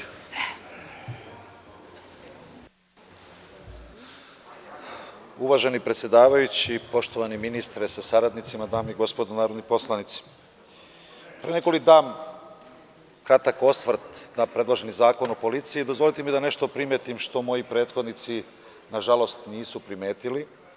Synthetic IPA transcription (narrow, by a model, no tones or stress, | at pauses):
uʋaʒe̞nipɾet̪sjed̪aːʋajut͡ɕipo̞ʃt̪o̞ʋaniminist̪ɾesasaɾad̪nit̪simad̪aːmiɡo̞spo̞d̪onaːɾod̪nipo̞slˠanit̪si̥ | pɾene̞ko̞likd̪aːm | kɾat̪ako̞sʋrɾt̪d̪aːpɾe̞d̪lˠoʒenizaːko̞nopo̞lit̪sijiːd̪o̞zʋo̞lit̪emid̪ane̞ʃt̪o̞pɾimjet̪imʃt̪o̞mo̞jipɾe̞ːt̪xo̞d̪nit̪si | naʒalˠo̞st̪niːsupɾime̞ːt̪ili